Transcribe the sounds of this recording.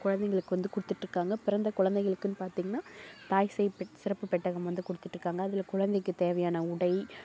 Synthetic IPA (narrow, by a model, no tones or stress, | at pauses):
kʊɻɐnd̪ɛŋɡɐɭɯkːɯʋɐnd̪ɯkʊɽɯt̪ːɯʈːrɯkːaːŋɡɐpɪɾɐnd̪ɐkʊɻɐnd̪ɐɪɣɐɭɯkːɯnːɯpaːɾt̪iːŋɡɐnːaːt̪aːjsɐjpsɪɾɐpːɯpɛʈːɐɣɐmʋɐnd̪ɯkʊɽɯt̪ːɯʈːrɯkːaːŋɡɐːðɪlɐkʊɻɐnd̪ɛɪkːɯt̪eːʋɐjaːnɐʊɽɐɪ